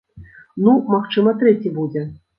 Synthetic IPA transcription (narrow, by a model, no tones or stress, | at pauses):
numaxt͡ʂɨmɐt̪ɾɛt͡sʲibud͡zʲɛ